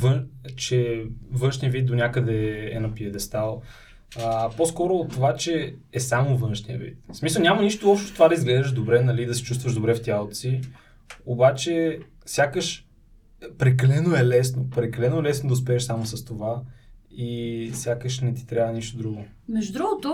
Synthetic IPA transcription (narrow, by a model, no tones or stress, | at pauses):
vənt͡ʃɛvɤnʃnijəvit̪̚d̪onʲjakəd̪ɛɛnɐpiəd̪ɛst̪alˠ | əposkɔɾoːt̪ːovat͡ʃɛːsamovɤnʃniə̰vḭt̪smisəlˠnʲamɐniʃt̪oɔpʃt̪ɛ̥st̪ovad̪ɐizɡlɛʒəʒd̪obɾɛnɐlid̪ɐsɛ̥t͡ʃust̪vəʒd̪obɾɛft̪ʲalˠt̪si | obat͡ʃɛ | sʲjakəʃ | pɾɛkɐlɛnoɛlɛsnopɾɛkɐlɛnoɛlɛsnod̪ɐospɛːʃsamosəst̪ovaisʲjakəʃnɛt̪i̥t̪ɾʲjavəniʃt̪od̪ɾuɡo | mɛʒud̪ɾuɡot̪ʊ